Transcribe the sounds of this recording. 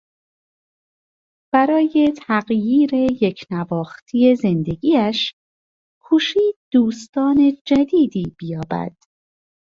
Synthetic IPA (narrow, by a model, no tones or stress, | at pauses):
b̥æɾɒːje̞t̪ʰæɣjiːɾe̞je̞cʰnævɒːxt̪ʰije̞ze̞nd̪e̞ɡiːæʃ | kʰuːʃiːd̪̚d̪uːst̪ɒːne̞d͡ʒæd̪iːd̪iːb̥ijɒːbæ̰d̪̥